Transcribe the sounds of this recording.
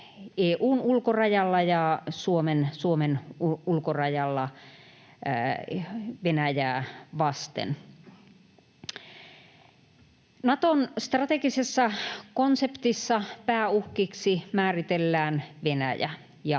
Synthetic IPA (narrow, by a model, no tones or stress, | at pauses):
eːʔuːnulkorɑjɑlːɑjɑsuomensuomenuulkorɑjɑlːɑ | ʋenæjæːʋɑst̪ḛn | nɑt̪onst̪rɑt̪ekisesːɑkonsept̪isːɑpæːuhkiksimæːrit̪elːæːnʋenæ̰jæ̰ | jɑ